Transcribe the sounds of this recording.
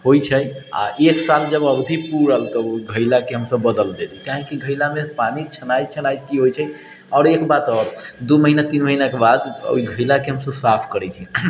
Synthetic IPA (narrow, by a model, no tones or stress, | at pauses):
hojt͡ʃʰəa̰ʔeksald͡ʒəbəbd̪ʱipuɾəlt̪əoɡʱəɪlakeɦəmsəbːəd̪əld̪elikaɦikiɡʱəjlamepanit͡ʃʰənajt̪t͡ʃʰənajt̪̚kiɦojt͡ʃʰə | ɔːɾekbat̪ɔɾd̪uməɦinat̪inməɦinakebad̪o̰iɡʱəɪlakeɦəmsəbsapʰkəɾɛt͡ʃʰi